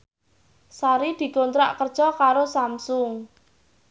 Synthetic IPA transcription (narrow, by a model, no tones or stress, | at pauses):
saɾid̪̥i̤kont̪ɾa̰ʔkərd̥ʒ̥ɔkaɾosamsʊŋ